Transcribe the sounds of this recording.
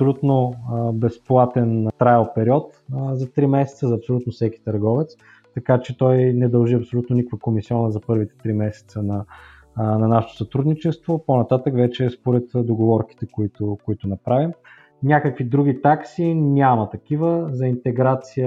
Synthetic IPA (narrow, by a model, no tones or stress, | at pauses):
ɐpsolʲut̪nobɛsplˠat̪ɛnt̪ɾajəlˠpɛɾiɔt̪zɐt̪ɾimɛsɛ̥t̪səzɐːpsolʲut̪nofsɛki̥t̪ɐɾɡɔvɛt̪s | t̪ɐkat͡ʃɛt̪ɔjnɛd̪ɐlˠʒiɐpsolʲut̪nonikvəkomisiɔnəzɐpɤɾvit̪ɛ̥t̪ɾimɛsɛ̥t̪sənɐ | nɐnaʃɛt̪o̥sɐt̪ɾud̪nit͡ʃɛst̪voponɐt̪at̪əkvɛt͡ʃɛspoɾɛt̪d̪oɡovɔɾki̥t̪ɛkoit̪okoit̪ʊnɐpɾavim | nʲakəkvid̪ɾuɡ̟it̪aksinʲamɐt̪ɐkivəzɐint̪ɛɡɾat̪sijə